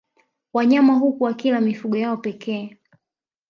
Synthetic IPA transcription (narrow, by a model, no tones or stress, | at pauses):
waɲamaɦukuwakilamifuɠɔjaɔpɛkʰɛː